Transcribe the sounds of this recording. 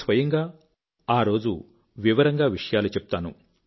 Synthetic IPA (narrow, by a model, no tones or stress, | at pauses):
sʋɐjɐŋɡaː | aːɾo̞ːd͡ʒṵ | ʋiʋɐɾɐŋɡaːʋiʂɐjaːlut͡ʃɛpu̥t̪aːnṵ